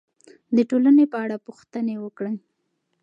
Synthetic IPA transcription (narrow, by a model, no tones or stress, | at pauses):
d̪əʈolanepəaɽapuxt̪ənewəkɽe